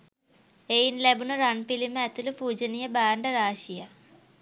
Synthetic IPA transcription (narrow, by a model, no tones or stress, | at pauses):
ejinlebunuɾɐɳpilimɛt̪ulupuːd͡ʒɐnijɐbaːɳɖɐɾaːʂijɐ